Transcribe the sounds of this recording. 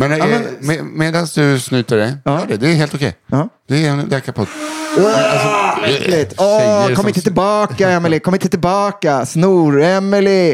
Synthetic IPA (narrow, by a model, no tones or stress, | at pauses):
mɛnmɛmemeːd̪ansd̪ɵsnʉːt̪aɖɛːjœːɖɛd̪ɛæɦeːlt̪ʊkʰɛ̰jɑd̪̥ɛɛnlɛːkapʰɔd̪ | asɔlɪt̪ɔkkɔmːɪt̪ət̪ɪlbɑːkaɛmːɪlɪkʰɔmːɪnt̪ət̪ʰɪlbɑːkasnuːɾɛmːɪlɪ